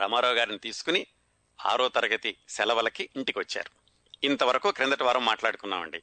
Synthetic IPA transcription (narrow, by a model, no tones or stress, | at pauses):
ɾɐ̰maːɾɔːɡaːɾinit̪iːsu̥kuni | a̰ːɾɔːt̪ɐɾɐɡɐt̪isɛlɐʋɐlɐkiiɳʈikiʋɐt͡ʃːa̰ːɾu | int̪ɐʋɐɾɐkuːkɾend̪ɐʈiʋaːɾɐmːaːʈlaːɽut̪unːa̰ːʋɐ̰ɳɖi